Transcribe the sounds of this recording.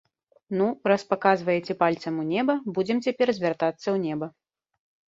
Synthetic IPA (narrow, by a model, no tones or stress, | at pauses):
nuɾaspakazvɐjɛt͡sʲɛpalʲt̪sɐmunʲɛbɐbud͡zʲɛmt͡sʲapʲɛrzʲvʲart̪at̪sːɐwnʲɛbɐ